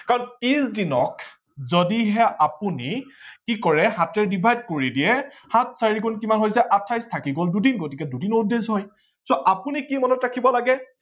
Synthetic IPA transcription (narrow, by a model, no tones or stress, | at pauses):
kaɹɔnpizdinɔk | zodiɦɛʔapunikikɔɹɛɦatɛɹdibʱajd̚koɹidiɛ | hatʰsaɹikunkimanɦojzɛʔatʰːajstʰakiɡoldudinɡotikɛdudinudezɦɔj | soʔapunikimɔnɔtɹakʰibɔlaɡɛ